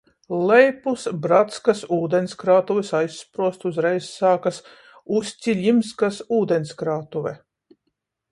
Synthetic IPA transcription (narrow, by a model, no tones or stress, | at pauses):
lˠɛjpusbɾat̪skasuːd̪ɛnskɾaːt̪uvɛsajsːpɾuɔst̪uzɾɛjsːaːkas | usʲt͡sʲilʲimskasuːd̪ɛnskɾaːt̪uvɛ̰